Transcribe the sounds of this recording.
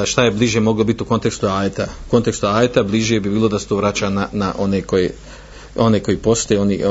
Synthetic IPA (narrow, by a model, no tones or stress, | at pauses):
ʃt̪ajebliːʒje̞mo̞ɡlobit̪iuko̞nt̪e̞kst̪uaːjet̪auko̞nt̪ekst̪uaːjet̪abliʒje̞bibiːlˠo̞d̪aset̪oʋɾat͡ɕananaʔo̞nekoje | o̞ne̞ko̞ipo̞st̪ojeo̞ni